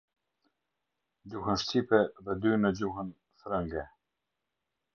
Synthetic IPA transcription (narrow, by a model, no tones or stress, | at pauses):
d͡ʑuɦənʃcipɛðɛd̪ynəd͡ʑuhən | fɾəŋɡɛ